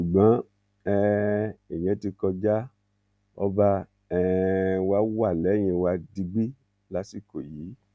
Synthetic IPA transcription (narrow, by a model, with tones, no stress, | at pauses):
ʃu˨ɡ͡bã˨˦ | ɛ˦ɛ˨j̃ɛ̃˨˦ti˧kɔ˧d͡ʒa˦ | ɔ˧ba˧ | ɛ˧wa˧˦wa˦˨lɛ˨˦˨j̃ɛ̃˧wa˧di˧ɡ͡bi˦ | la˦si˦˨ko˨jiː˨˦